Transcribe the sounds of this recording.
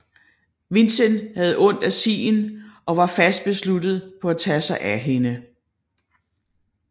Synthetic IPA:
ʋe̝nsənhæð̞̩ˠʔɔ̽n̰d̥æsḭːnʔɒ̽ʋɑ̈fæsd̥̚b̥e̝slud̥ð̩ˠpʰɒ̽æt͡sʰɛsɑ̈ɪʔæɦe̝nə

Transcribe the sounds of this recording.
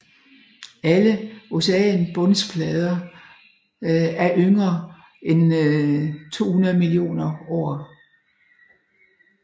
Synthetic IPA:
æləo̝sɛ̰nb̥ɔ̽nspʰlɛð̞ˠɐ | æɐʔøŋɐ | en | t͡sʰo̝̰ːhunɐðˠmilio̝̰ːnɐɒː

